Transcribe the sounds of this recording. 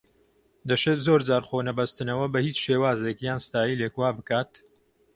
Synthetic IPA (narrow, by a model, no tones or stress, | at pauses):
d̪ɐʃeːt̪zoːɾd͡zaːɾχonɐbɐst̪ɨnɐwɐbɐhiːt͡sʃeːwaːzekjaːnst̪aːjileːkwaːbɨkaːt̪